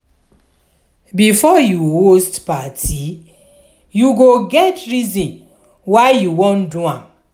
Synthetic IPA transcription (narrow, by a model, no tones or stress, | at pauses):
bifɔjuhostpatʰi | juɡoɡɛtɹizĩn | wajuwɔ̃nduãm